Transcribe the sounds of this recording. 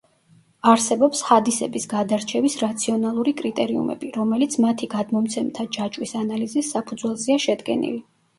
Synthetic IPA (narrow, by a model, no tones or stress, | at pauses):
aɾsɛbɔpsχad̪isɛbisɡad̪aɾt͡ʃʰɛvisɾat̪sʰiɔnalˠuɾikʼɾit̪ʼɛɾiṵmɛ̰biɾɔmɛlit̪sʰmat̪ʰiɡad̪mɔmt̪sʰɛmt̪ʰad͡ʒat͡ʃʼwisanalizisːapʰud̪zwɛlˠziaʃɛd̪ɡɛ̰nḭli